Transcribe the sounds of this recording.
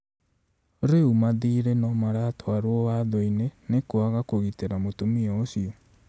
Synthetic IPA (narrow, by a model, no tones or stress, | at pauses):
oɾeumaðiɾenɔmaɾatɔaɾwɔwaðɔinenekoaɣakoɣiteɾamotumiɔːsiɔ